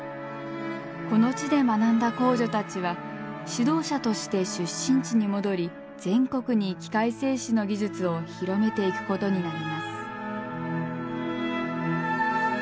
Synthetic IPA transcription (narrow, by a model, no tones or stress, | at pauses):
ko̞no̞t͡ɕid̪e̞manãnd̪ako̞ːʑo̞t̪at͡ɕiβaɕid̪o̞ːɕat̪o̞ɕi̥t̪e̞ɕɨɕːĩɲ̟t͡ɕiɲ̟imo̞d̪o̞ɾʲi | d͡zẽ̞ŋko̞kɯ̟ɲ̟ikʲi̥kaise̞ːɕino̞ɡʲiʑɨt͡sɨo̞çiɾo̞me̞t̪e̞ikɯ̟̥ko̞t̪o̞ɲ̟inaɾʲimasɨ̥